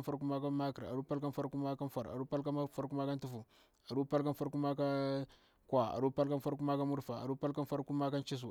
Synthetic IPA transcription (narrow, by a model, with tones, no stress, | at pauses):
nfa˦ɾk̬u˦ma˦ka˦ma˦ki˨ɾa̰˨ɾu˦pa˦lka˦nfa˦ɾku˦ma˦ka˦n˦fa˨ɾa̰˨ɾu˦pa˦lka˦fa˦ɾku˦ma˦ka˦n˦tu˦fu˨ | a˨ɾu˦pa˦lka˦nfa˦ɾku˦ma˦ka˦ | kwa˨a̰˨ɾu˦pa˦lka˦nfa˦ɾk̬u˦ma˦ka˦mu˦ɾfa˨a̰˨ɾu˦pa˦lka˦nfa˦ɾku˦ma˦ka˦nt͡ʃi˦s̬u˨